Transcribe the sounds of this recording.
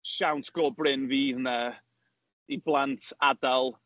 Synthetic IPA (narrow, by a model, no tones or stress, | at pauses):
ʃawntʰɡ̥ɔːbrɪnviːðna | iblˠantʰadalˠ